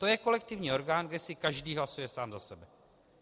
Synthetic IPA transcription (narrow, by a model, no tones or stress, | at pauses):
t̪o̞jɛko̞lɛk̚t̪ɪvɲiːʔo̞ɾɡaːnɡdɛsɪkaʒdiːɦlasujɛsaːmzasɛbɛ